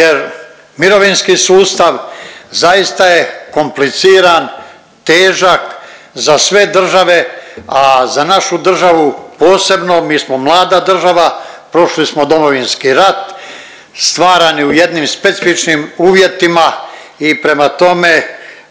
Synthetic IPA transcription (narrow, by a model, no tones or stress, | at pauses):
jeɾ | miɾo̞ʋinskisuːst̪aʋzaist̪aje̞ko̞mplit̪siːɾan | t̪eːʒak | zasʋe̞d̪r̩ʒaʋe̞azanaʃud̪r̩ʒaʋupo̞ːse̞bno̞miːsmo̞mlˠaːd̪ad̪r̩ʒaʋapɾo̞ʃlismo̞d̪o̞mo̞ʋinskiɾat̪ | st̪ʋaːɾaniuje̞d̪nimspet̪sifit͡ʃnimuːʋje̞t̪imaipɾe̞mat̪o̞me̞